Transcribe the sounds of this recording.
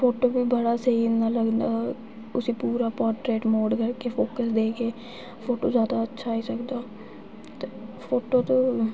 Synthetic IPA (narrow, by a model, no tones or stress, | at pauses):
foːʈoːbʱiːbəɽaːseinaləɡnaː | ʊsiːpuːɾaːpɔːɾʈɾeːʈmoːɖkəɾkepʰoːkəsd̪eːkeː | pʰoːʈoːzjaːd̪aətːʃʰaːiːsəkd̪aː | t̪epʰoːʈoːt̪õː